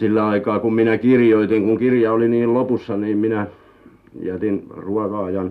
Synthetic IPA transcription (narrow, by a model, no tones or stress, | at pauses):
silːæɑikɑːkumminækirjoit̪iŋkuŋkirjɑoliniːllopusːɑniːmminæ | j̰æt̪inruɑkɑɑjɑn